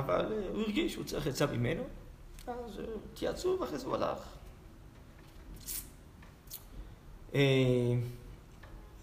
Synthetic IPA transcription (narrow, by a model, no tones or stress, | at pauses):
ava̰lhuiʁɡiʃṵt͡saiχjat͡savimeno | azt̪ija̰t͡suveaχesua̰la̰χ | ʔe